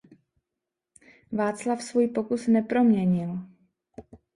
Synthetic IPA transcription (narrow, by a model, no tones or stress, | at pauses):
vaːt͡slafsvuːjpo̞kusnɛpɾo̞mɲɛɲɪl